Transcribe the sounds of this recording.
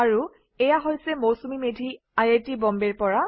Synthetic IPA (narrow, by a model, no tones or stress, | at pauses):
aɹu | ɛjaɦojsɛmowsumimedʱi | ajetibɔmbɛɹpɔɹa